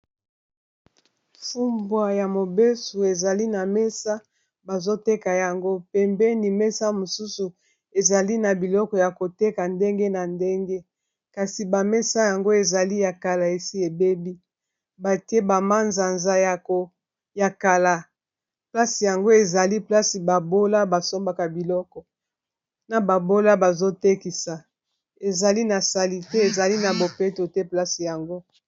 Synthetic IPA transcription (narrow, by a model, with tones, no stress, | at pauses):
fu˦mbwa˨ja˨mo˨be˦so˨e˨za˨li˦na˨mɛ˦sa˦ | ba˨zo˦te˦ka˨ja˨ŋɡo˦pɛ˨mbɛ˦ni˨mɛ˦sa˦mo˨su˦su˨ | e˨za˨li˦na˨bi˨lɔ˦kɔ˨ja˨ko˨te˦ka˨nde˦ŋɡe˦na˨nde˦ŋɡe˦ | ka˨si˨ba˨mɛ˦sa˦ja˨ŋɡo˦e˨za˨li˦ja˨ka˨la˨e˨si˦e˨be˦bi˦ | ba˨te˦ba˨ma˦nza˨nza˦ja˨ko˨ | ja˨ka˨la˨ | pla˦si˨ja˨ŋɡo˦e˨za˨li˦pla˦si˨ba˨bo˦la˦ba˨so˦mba˨ka˨bi˨lɔ˦kɔ˨ | na˨ba˨bo˦la˦ba˨zo˦te˦ki˨sa˨ | e˨za˨li˦na˨sa˨li˨te˦e˨za˨li˦na˨bo˨pɛ˦to˨tɛ˦pla˦si˨ja˨ŋɡo˦